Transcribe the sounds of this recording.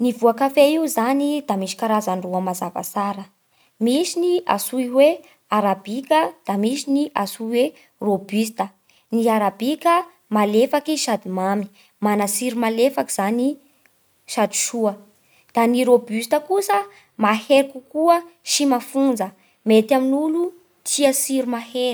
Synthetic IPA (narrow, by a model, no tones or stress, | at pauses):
nivuakafeiuzanid̪amiʃi̥kaɾazanruəmazava̰saɾə | misinia̰suiwe | aɾabikəd̪̥amisiniʔasuiwe | robys̬t̪ə | niaɾabikə | malefakiʃad̪imami̥ | manasiɾumalefakiz̥ani | ʃad̪i̥ʃuə | d̪̥aniɾobyst̪əkusə | maheɾikukuəʃimafund͡zə | met̪aminulu | t̪iəsiɾumaheɾ